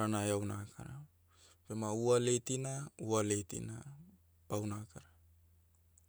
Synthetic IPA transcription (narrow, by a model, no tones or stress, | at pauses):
ɾanajawnakʰa̰ɾa | bemaualetinaualetḭna | pawnakaɾa